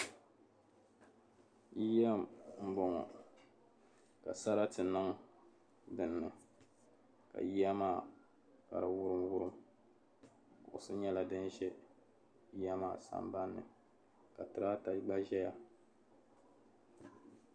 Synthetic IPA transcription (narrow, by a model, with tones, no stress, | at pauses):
ji˦ja˦mm̩˦bɔ˨ŋɔ̰˨ | ka˨sa˦ɾa˦tɨ˨nɨ˦ŋ˦ | dɨ˨nːɨ˨ | ka̰˨ji˦a˦maː˦˨ | ka̰˨ɾa˨wʊ˦ɾɨ˦mwʊ˦ɾɨ˦m | kʊ˨ʔʊ˨sɨ˦ɲɛ˦la˨dɨ˦nʒɛ˦ | a˦maː˦˨sa̰˨mba˦nːɨ̰˨ | ka˨tɨ˨ɾa˦ta˨ɡ͡ba˦ʒɛ˦ja˦